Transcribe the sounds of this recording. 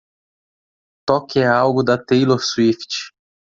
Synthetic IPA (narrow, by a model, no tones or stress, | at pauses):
t̪ɔkɛawɡʊd̪ɐt̪ejloɾsuift͡ʃ